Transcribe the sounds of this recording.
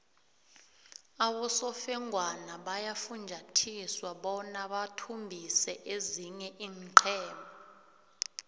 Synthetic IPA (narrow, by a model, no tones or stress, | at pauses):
aɓɔsɔfɛŋʱwanaɓajafund͡ʒʱatʰiswaɓɔnaɓatʰumbʱisɛʔeziɲɛʔiːŋǃʰɛːmbʱa